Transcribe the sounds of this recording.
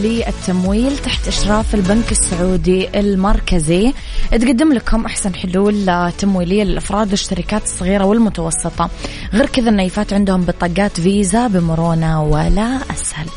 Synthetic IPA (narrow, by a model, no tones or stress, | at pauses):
lɪʔɪt̪ʰːamwiːlt̪aħt̪ʔaʃɾˤɑːfɪlbankɪsːʊʕuːd̪iʔɪlmɑɾˤkazi | ʔɪt̪ɡad̪ːɪmlakhʊmʔaħsanħʊluːlt̪ːamwiːlɪjːalɪlʔɑfɾˤɑːd̪wɪʃːaɾɪkaːt̪ɨ̥sˤːɣiːɾawɪlmʊt̪ɑwɑsˤːɨt̪ˤɑ | ɣeːɾkɪðanːaːjfaːt̪ʕɪnd̪hʊmbɪt̪ˤɑːɡaːt̪viːzabɪmʊɾoːnawɪlaʔashal